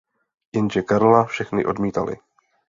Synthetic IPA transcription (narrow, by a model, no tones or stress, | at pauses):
jɛnʒɛkaɾlafʃɛxnɪʔo̞dmiːt̪a̰lɪ̰